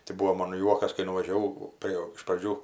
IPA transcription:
tɐɪ ˈbʊʋoː ˈmoːn ˈjuɔkɐs kɐɪ nʊʋɐʒʲɛˈʋɐʊ ˈpʲrʲeː ɪʃ prɐˈd͡ʒʲuː

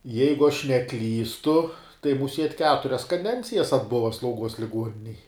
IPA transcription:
ˈjɛɪɡʊ ɐʃ nʲɛˈklʲiːstʊ tɐɪ mʊˈsʲiɛtʲ ˈkʲæːtʊrʲɛs kɐˈdʲɛnʲt͡sʲɪjɛs ɐdˈbʊʋɐ slˠɐʊˈɡuɔs lʲɪˈɡuɔnʲɪnʲɛj

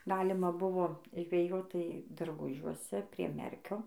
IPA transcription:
ˈɡɑːlʲɪmɐ ˈbʊʋoː ʒʲʋʲɛˈjoːt ˈtɐɪ dɐrˈɡʊʒʲuɔsʲɛ pʲrʲiɛ ˈmʲɛrʲkʲoː

